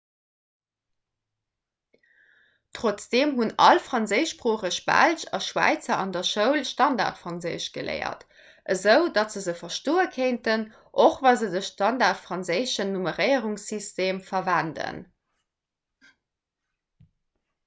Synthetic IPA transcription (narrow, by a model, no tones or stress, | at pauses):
tʁot͡sd̥eːmɦunɑ̰lfʁɑnzəɪʃpʁuːχəʃb̥æ̰lʃɑ̰ʃwæ̰ɪt͡sɐɑndɐʃəʊlʃtɑnda̰ːʁtfʁɑnzəɪʃɡ̥əlḛɪɐ̰t | ʔəzəʊdɑtz̥əzəfɐʃtoːəkʰeɪntən | ʔoχvɑzədəʃtɑndaːʁtfʁ̥ɑnzəɪʃənːuməʁəɪəʁuŋsysteːmfɐvændə̰n